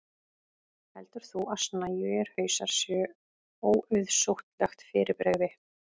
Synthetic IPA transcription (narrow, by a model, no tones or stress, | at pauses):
hɛlt̪ʏɾ̥θuʔasnajʏɛɾ̥hœːɥsaɾ̥sjœ | owʏðsowht̪lɛxt̪fɪːɾɪpɾɛɣvɪ